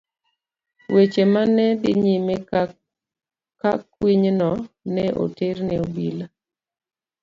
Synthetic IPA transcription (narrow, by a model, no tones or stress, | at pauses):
wet͡ʃemanɛbɪɲime | kakwiɲnɔ | nɛʔo̰ternɛobila